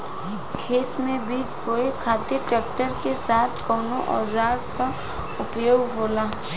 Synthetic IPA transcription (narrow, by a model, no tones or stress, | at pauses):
kʰeːt̪mẽbiːt͡ʃpoːekʰaːt̪ɪɾʈɛːk̚ʈəɾkesaːt̪ʰkɔːnoʔɔ̰ːzaːɾka | ʊpjoːɡɦoːlaː